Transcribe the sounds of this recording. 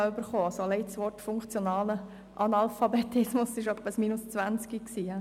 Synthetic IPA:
ɑʏbəɾχoːɑsolɛɪtsʋɔrtfʊŋkt͡sjonɑːlə | ʔɑnɑlfɑbet̪ɪsmʊsːɪʃœpːəsmiːnʊst͡sʋænt͡skiksiː

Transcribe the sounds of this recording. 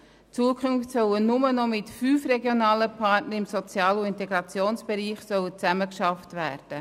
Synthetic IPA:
t͡suəkʰʁʉnftsœwənʊmənɔmɪtfyːfɾɛɡjonɑːləpʰɑtnəɾɪmsɔt͡sjɑːluɪnt̪ɛɡɾɑt͡sjoːnsb̥ɛɾiːχsœwət͡sæməkʃɑftvæːɾd̥ə

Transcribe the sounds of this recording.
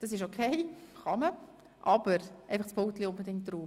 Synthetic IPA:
d̥ɑs̬ɪʃokʰeɪχɑmə | ʔɑbəɾʔæɪfɑχspʰowtliʊnbedɪŋkt̚ruːm

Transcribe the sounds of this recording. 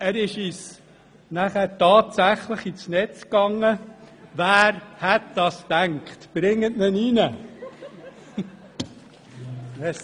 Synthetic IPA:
æɾɪʃis | næχæɾtɑːtsæχləχisnɛt͡skɑŋːəʋæːɾhɛt̚d̥ɑstæŋkχtb̥ɾɪŋːətnəninə

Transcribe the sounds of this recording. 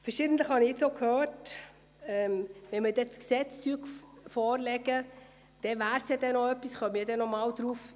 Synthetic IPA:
fɛɾʃiːdən̩tləχhɑnɪɪt͡ssokʰhøːɾt | ɛmʋɛnmədɛsksɛt͡styːɡfɔːɾlɛɡə | d̥ɛvæːɾsjɑdɛnɔœpːisχœmiːdɛnɔmɑːwd̥̪ɾuːf

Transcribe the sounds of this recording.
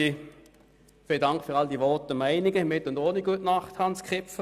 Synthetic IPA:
i | fɪldɑŋkfʏʁɑldiʋɔtəmæɪnɪɡəmɪtʊndoːniɡ̥uətnɑχthɑnskʰʁɪpfə

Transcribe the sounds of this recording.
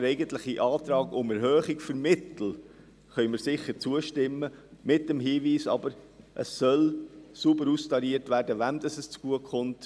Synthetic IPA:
ɾɛɪɡənt̪ləχiʔɑːt̪ɾɑːɡʊmɛɾhøːχɪkfəɾmɪtl̩ | χœʏmɪɾsɪχːəɾt͡suəʃtɪmːəmɪt̚d̥ɛmɦiːʋiːsɑ̰bəɾʔə̰ssœlsubəɾustɑɾiːəɾtʋæːrdəʋænd̥̪ɑsəst͡sɡ̥uəkχʊnt

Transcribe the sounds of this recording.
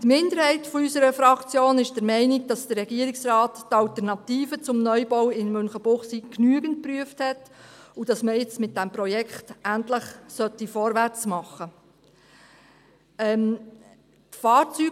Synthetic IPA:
tmɪnd̪əɾhɛɪtfɔysəɾəfɾɑkt͡sjoːnɪʃd̥əɾmɛɪnɪɡd̥ɑsd̥ərːɛɡiəɾɪksrɑːtːɑltəɾnɑtiːfət͡sʊmnœʏbɔwɪnmɵnχəb̥ʊχsiknyəɡənt̚pryəfthɛtud̥ɑsməɪt͡smɪt̚d̥ɛmprɔjɛkʰχtʔæntləχsœtːifɔɾʋært͡smɑχːə | ɛm | tfɑːɾt͡syː

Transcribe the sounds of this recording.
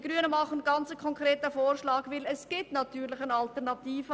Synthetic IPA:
ɡ̥ɾyənəmɑχən̩ɡɑnt͡səkʰɔŋkʁeːtəfoːɾʃlɑːɡʋɪlɛsɡ̥ɪtnɑtyːɾlɪxənɑltɛʁnɑtiːfə

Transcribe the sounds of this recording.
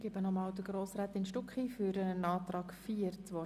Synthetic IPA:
ɡ̥ɪbənɔmɑːld̪əɡɾoːsɾæːt̪ɪnʃtʊkχiːfʏɾənɑːt̪rɑːkfiəɾt͡sʋɔ

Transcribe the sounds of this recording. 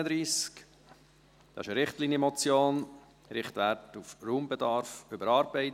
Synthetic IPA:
əd̪ɾiːsk | d̪̥ɑ̰ɪʃəɾɪχtliːnjəmɔt͡sjoːn | ɾɪχt̪ʋæɾtufruːmbɛd̪ɑɾfʏbəɾɑːɾbɛɪt

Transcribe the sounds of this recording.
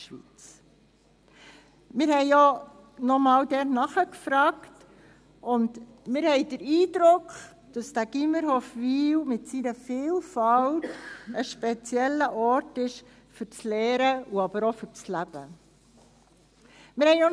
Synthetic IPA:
ʃʋit͡s | mɪɾhɛɪɔ | nɔmɑːldɛɾnɑχəkfɾɑːkt | ʊnd | mɪɾhɛɪdəɾiːdɾʊkχ | d̥ɑsd̥æɡ̥iməɾɦɔfʋiːwmɪtsiɾəfiːlfɑltəʃpɛt͡sjɛlːəʔɔɾtɪʃ | fʏɾt͡slɛːɾəuɑb̥əɾɔfʏɾt͡slæb̥ə | mɪɾhɛɪo

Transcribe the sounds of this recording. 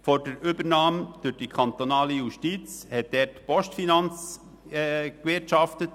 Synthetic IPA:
fɔɾd̥əɾybəɾnɑːmd̥ʏɾd̥ikʰɑnt̪onɑːləjuʃtiːt͡shɛt̚d̥ɛːrtpɔʃtfinɑnt͡sː | kʋɪɾtʃɑftət

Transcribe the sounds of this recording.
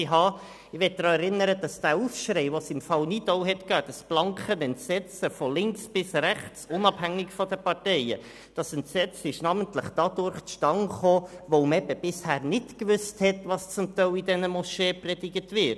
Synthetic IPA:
ɪɦɑː | ɪʋɛt̚d̥ɾɑːɛɾɪnəɾəd̥ɑsd̥æːuːfʃɾɛɪʋosɪmfɑlnɪtoʊɦɛtkœːd̥ɑsb̥lɑŋkχənɛntsɛt͡səfɔlɪŋksb̥ɪsræχt͡sʊnɑb̥hæŋːɪkfɔdəpɑɾtɛɪə̰ | d̥ɑsɛntsɛt͡sɪʃnɑːməntləχd̥ɑdʊɾχt͡sʃtɑŋχoːʋoʊmɛbəbɪshæːɾnɪtkʋʏsthɛtʋɑst͡sʊmtɛɪidɛnəmɔʃɛːprɛd̥ɪɡətʋɪt

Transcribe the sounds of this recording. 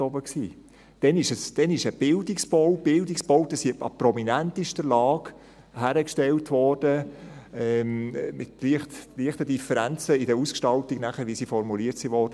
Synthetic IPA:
ɔbəksiː | d̥ɛnɪʃəsd̥ɛnɪʃəb̥ɪldɪksb̥owb̥ɪldiksb̥oʊdəsiɑ̰pɾɔminæntɪʃdəlɑːɡ̥ | hæɾəkʃtɛltʋɔrd̥ə | ɛmmɪt̪liəχtliəχtədifəɾænt͡səɪdəɾuskʃtɑltiɡ̥næχəɾʋisifɔɾmuliətsiʋɔːɾdə

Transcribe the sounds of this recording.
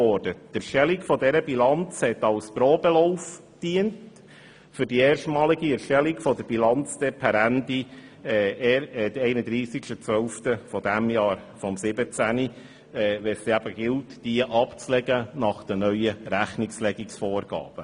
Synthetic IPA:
ɔːɾd̥əd̥əʃtɛlikfɔdɛɾəbilɑnt͡shɛtɑwspɾɔːbəloʊf | d̥iənt | fʏɾdieːrʃtmɑːliɡiɛɾʃtɛlikfɔdəɾb̥ilɑnt͡sd̥ɛpʰæɾændi | ɛːɛdəɛɪnədɾiːsikʃtət͡sʋœlftəfɔd̥æmjɑːɾfɔmsɪbət͡sæni | ɛːʋɛsiæbəɡ̥ɪltd̥iəʔɑpt͡slɛɡənɑχd̥ənœʏəɾæχnɪkslɛɡɪksfɔːɾɡ̥ɑ̰ːb̥ə

